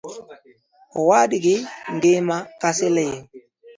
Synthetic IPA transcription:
ɔwaːɗiɡɪŋɡemakasɪlɛje

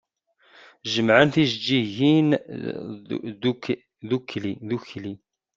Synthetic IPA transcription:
ʒəmʕənθiʒd͡ʒːiʝin | ðukʰːliðuçli

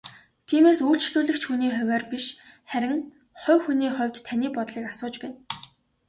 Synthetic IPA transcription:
t̪ʰiːmeːsuːɬt͡ɕɮuːɮɘ̆xt͡ɕxuniːχʊwʲæːrpiʃ | χæɾʲɪ̆ŋ | χʊ̟wxuniːχʊ̟wʲt͡ɕt̪ʰːaniːpɔt̪ɮiːkasʊːt͡ɕpæːn

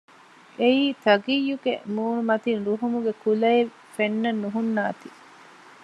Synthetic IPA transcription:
eiːt̪ɐɡijːuɡḛmuːɳumɐt̪inɾuɦumuɡekulɐe | fenːɐnːuɦunːaːt̪i

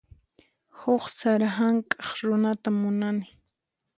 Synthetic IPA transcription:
hʊχsaɾaɦaŋkʼɑχɾʊnat̪amʊnanɪ

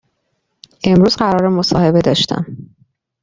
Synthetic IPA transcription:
ʔe̞mɾuːzɢæɾɒːɾemo̞sɒːhe̞be̞d̪ɒːʃt̪æ̰m

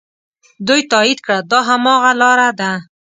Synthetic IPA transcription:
d̪ujt̪ɑid̪kɽəd̪ɑɦamɑɣalɑɾad̪a

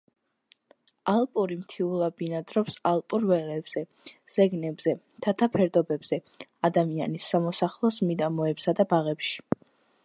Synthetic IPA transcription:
alˠpʼuɾimt̪ʰiulˠabinad̪ɾɔpsalˠpʼuɾvɛlɛbz̥ɛ | z̥ɛɡnɛbz̥ɛ | t̪ʰat̪ʰapʰɛɾd̪ɔbɛbz̥ɛ | ad̪amianisːamɔsaχlˠɔsmid̪amɔɛpsad̪abaʁɛpʃi̥

